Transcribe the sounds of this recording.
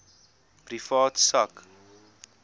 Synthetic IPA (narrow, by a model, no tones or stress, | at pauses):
prifɑːtsɐk